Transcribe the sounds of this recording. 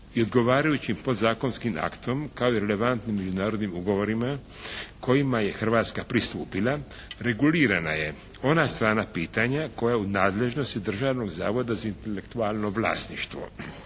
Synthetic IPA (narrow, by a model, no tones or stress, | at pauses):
io̞d̪ɡo̞ʋaːɾajut͡ɕimpo̞d̪zaːko̞nskima̰kt̪o̞mkao̞iɾe̞le̞ʋant̪nimːe̞d͡ʑunaːɾo̞d̪nimuɡo̞ʋo̞ɾimakʰo̞jimaje̞xr̩ʋaːt̪skapɾist̪uːpilˠa | ɾe̞ɡuliːɾanaje̞ | o̞nast̪ɾaːɾnapiːt̪aɲako̞jaunaːd̪le̞ʒno̞st̪id̪r̩ʒaːʋno̞ɡzaːʋo̞d̪azaint̪e̞le̞kt̪ualˠno̞ʋlˠa̰ːsniʃt̪ʋo̞̰